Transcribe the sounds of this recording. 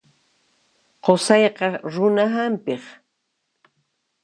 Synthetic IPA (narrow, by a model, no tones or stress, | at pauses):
qosɑjqɑɾʊnaɦampɪχ